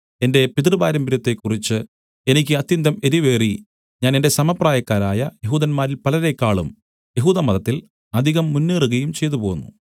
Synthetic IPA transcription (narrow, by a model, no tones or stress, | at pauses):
e̞nde̞pit̪rɨba̰ːɾɐmbiɾɐt̪ːe̞kːurit͡ɕːɨ | e̞nikʲːɨɐt̪jɐnd̪ɐme̞ɾiʋe̞ːri | ɲaːne̞nde̞sɐmɐpraːjɐkːaːɾaːjɐje̞ɦuːðɐnmaːɾilpɐlɐɾekːaːɭṵm | jeɦuːðɐmɐðɐt̪ːil | ɐd̪ʱiɣɐmːunːeːruɣɐjumt͡ɕe̞jt̪̬upo̞ːunːṵ